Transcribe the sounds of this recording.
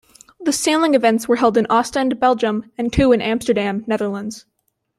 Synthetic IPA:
ðɨsæ̃nlˠɪ̃ŋɨvɛ̃ntswə˞ɦɛlˠdɨ̃nʔɑstɨ̃nbɛlˠd͡ʒə̃mɨ̃ntʰʉɨ̃nʔæ̃mstə˞dæ̃mnɛðə˞lˠə̃ndz̥

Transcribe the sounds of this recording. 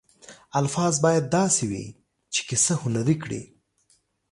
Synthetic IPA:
alfɑzbɑjad̪̚ːɑsewḭ | t͡ʃe̥kɪsəhʊnaɾikɽḭ

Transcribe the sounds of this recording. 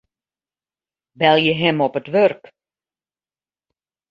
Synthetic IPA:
bɛlˠjəɦɛmɔpətʋørk

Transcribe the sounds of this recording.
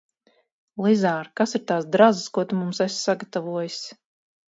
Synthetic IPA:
lˠizaːɾkasiɾt̪aːsd̪ɾazɨskuɔt̪umumsessaɡat̪avuɔjisʲ

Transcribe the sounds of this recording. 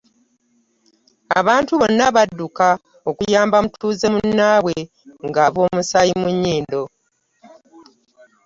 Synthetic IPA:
a̰βaːntuβo̞nːaβadːuka | o̞kujaːmbamutuːze̞munːaːwe | ŋɡaβo̞ːmusajimuɲːiːndo̞

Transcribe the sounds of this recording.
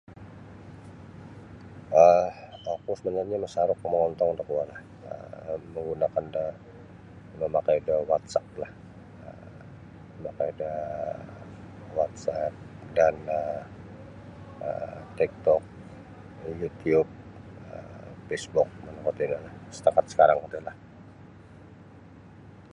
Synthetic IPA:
əakusəbənarɲaməsaɾʊkəməŋɔnt̪ɔŋnd̪əkuwalah | ə̰məŋɡunakandə | məmakajdəhwat̪̚sap̪̚lah | ə | məmakajdə | wat̪̚sat̚danə | ə̰t̪ik̚t̪ɔk̚ | jut̪iub̚ | ə̰fesbʊk̚mənakat̪idəlahsə̥t̪akat̪̚sə̥kaɾaŋkət̪ulah

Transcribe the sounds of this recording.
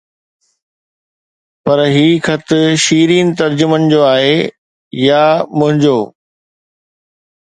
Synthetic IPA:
pɐɾɦiːxʰɐt̪ʰʊʃiːɾiːnɪ̆t̪ɐɾd͡ʑʊmənɪ̆d͡ʑoːaːɦe | jamʊ̃ɦɪ̃ɲd͡ʑoː

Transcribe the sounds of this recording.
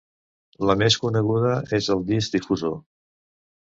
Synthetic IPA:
ləmeskunəɣuð̞əʔezəlˠd̪izd̪ifuzo

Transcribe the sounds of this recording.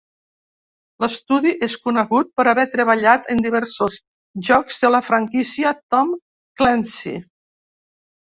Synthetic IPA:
ləst̪uðiʔeskunəɣut̪̚pəɾaβɛt̪ɾəβəʎat̪ənd̪iβ̞ɛɾsoz | ʒɔkz̥ðələfɾaŋkisiət̪ɔm | klɛnsḭ

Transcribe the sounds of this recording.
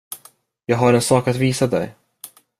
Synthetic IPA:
jɑːɡɦaɾɛnsɑːkat̪viːsad̪ɛ̰j

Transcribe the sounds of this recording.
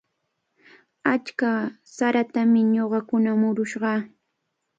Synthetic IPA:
at͡ʃka | saɾat̪amɪɲoɢɑkʊnamʊɾʊʃɢɑ

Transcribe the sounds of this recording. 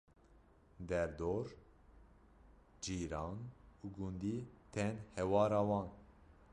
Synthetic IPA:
d̪ɛɾd̪oːɾ | d͡ʒiːɾɑːnuɡund̪iːt̪ʰɛnhɛwɑːɾɑːwɑːn

